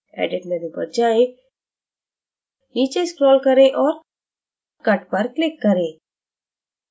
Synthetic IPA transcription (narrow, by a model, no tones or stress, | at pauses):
ɛ̰ɖɪʈneɾibə̰d͡ʒae | it͡ʃeskɾɔːlkəɾẽʔɔːɾ | kɐʈpəɾklɪkːəɾẽ